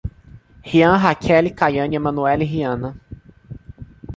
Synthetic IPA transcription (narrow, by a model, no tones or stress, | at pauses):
hiɐ̃ɦakʰɛlɪkajɐ̃ɲiɐmɐ̃nuɛlɪɦiɐ̃nɐ